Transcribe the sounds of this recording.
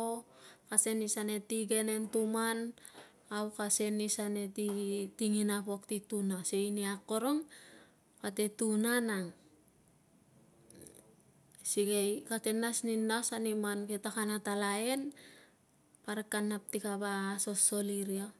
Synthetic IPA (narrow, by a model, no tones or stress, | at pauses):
okase̞nisane̞tiɡe̞ne̞ntuman | awkase̞nisane̞titiŋinapoktitunaseiniakːo̞ɾoŋ | patetunanaŋ | siɡejkate̞nasninːasanimanketakanatalaen | paɾekːanːap̚tikabaso̞sːo̞liɾio